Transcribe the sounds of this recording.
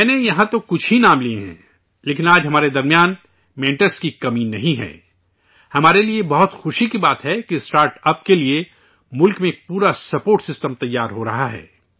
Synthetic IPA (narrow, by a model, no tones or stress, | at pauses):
mɛ̃ːnejɐɦãt̪okʊt͡ʃʰɦinaːmlieɦɛ̰̃ː | leːkɪnaːd͡ʒɦɐmaːɾed̪ɐɾmjaːn | mɛ̃ːɳʈəɾskikɐmiːnːɐɦĩɦɛ̰ː | hɐmaːɾeliebɐɦʊt̪xʊʃikibaːt̪ɦɛkisʈaːɾʈɐp̚kelie | mʊlkmẽpuːɾasɐpoːɾʈsɪsʈəmt̪ɐjːaːɾɦoɾɐɦaɦɛ̰ː